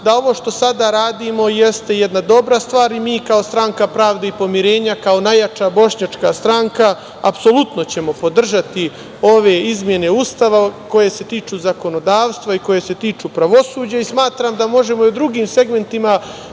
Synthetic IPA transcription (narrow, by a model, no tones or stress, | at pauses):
d̪ao̞ʋo̞ʃt̪o̞sad̪aɾaːd̪imo̞je̞st̪e̞jed̪nad̪o̞bɾast̪ʋaːɾimiːkao̞st̪ɾaŋkapɾaːʋd̪eipo̞miɾe̞ːɲakao̞najat͡ʃabo̞ʃɲat͡ʃkast̪ɾaŋka | a̰pso̞lˠut̪no̞t͡ɕe̞mo̞po̞d̪r̩ʒat̪i | o̞ʋe̞izmje̞ne̞ust̪aʋako̞je̞se̞t̪iːt͡ʃuzako̞no̞d̪aːʋst̪ʋaiko̞je̞se̞t̪iːt͡ʃupɾaʋo̞suːd͡ʑaismaːt̪ɾaːmd̪amo̞ʒe̞mo̞jod̪ɾuɡiːmse̞ɡme̞nt̪ima